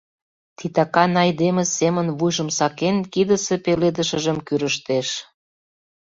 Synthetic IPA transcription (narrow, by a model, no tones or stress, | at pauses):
t̪it̪ɑkɑnɑjd̪emĕsemənvujʒə̆msɑkenkid̪əsepeled̪ə̆ʃə̆ʒə̆mkyɾəʃt̪eʃ